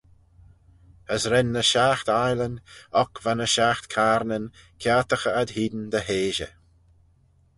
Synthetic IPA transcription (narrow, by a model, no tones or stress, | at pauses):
əsɾɛnːəʃaxt̪ajlənɔkvanəʃaxt̪kʰaːɾnənkʰjaːt̪əxəad̪hiːd̪ənd̪əɦeːʒə̰